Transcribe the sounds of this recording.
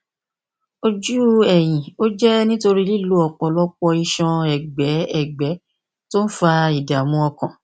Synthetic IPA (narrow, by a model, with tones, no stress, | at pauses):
o˧d͡ʒu˦ɛ˨j̃ĩ˨o˦d͡ʒɛ˦nĩ˦to˧ɾi˦li˦lo˦ɔ˨k͡pɔ˧lɔ˦k͡pɔ˧i˧ʃɔ̃˧ɛ˨ɡ͡bɛ˨˦ɛ˦˨ɡ͡bɛ˨˦ | to˦n̩˦fa˧i˨da˨mũ˧˦ɔ˧kã˨